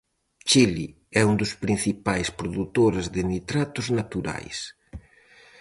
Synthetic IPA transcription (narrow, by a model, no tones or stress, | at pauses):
t͡ʃili | ɛund̪ʊspɾin̟θipajspɾoðut̪oɾezðɪnit̪ɾat̪ʊznat̪uɾa̰js